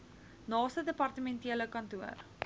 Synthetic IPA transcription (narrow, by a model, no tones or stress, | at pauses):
nɑːsədəpɐrtəmɛntiələkɐntuər